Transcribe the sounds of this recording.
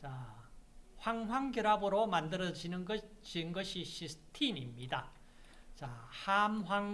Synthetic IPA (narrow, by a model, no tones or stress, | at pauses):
t͡ɕa | ɸwaŋɦwaŋɡjʌɾabɯɾomandɯɾʌd͡ʑinɯnɡʌt͡ɕinɡʌɕʰiɕistʰinimɲida | t͡ɕahamɦwaŋ